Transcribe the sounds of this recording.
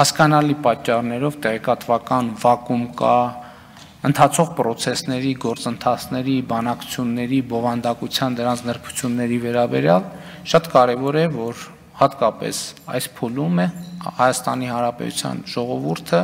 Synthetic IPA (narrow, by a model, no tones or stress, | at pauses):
hɑskɑnɑlipɑt͡ʃːɑrnɛɾɔvt̪ɛʁɛkɑt̪vɑkɑnvɑkumkɑ | ənt̪ʰɑt͡sʰɔʁpɾɔt͡sʰɛsnɛɾiɡɔɾt͡sənt̪ʰɑt͡sʰnɛɾibɑnɑkʰu̥t͡sʰjunːɛɾibɔvɑnd̪ɑkut͡sʰjɑnd̪əɾɑnt͡sʰnəɾpʰu̥t͡sʰjunːɛɾivɛɾɑbɛ̰ɾjɑl | ʃɑt̪kɑɾɛvɔɾɛvɔɾ | hɑt̪kɑpɛ̰sɑ̰jspʰulumɛhɑjɑst̪ɑ̰nihɑnɾɑpɛ̰t̪ṵt͡sʰjɑ̰nʒ̥ɔʁɔvuɾt̪ʰə